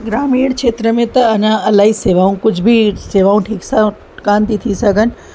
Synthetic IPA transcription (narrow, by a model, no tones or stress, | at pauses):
ɡɾaːmiːɽkʃeːt̪ɾəmẽt̪ɐɐɲãɐlaːɦiseːʋaːũkʊd͡ʒʱbʱiseːʋaːũʈʰiːksa | kaːnt̪it̪ʰisɐɡʱən̆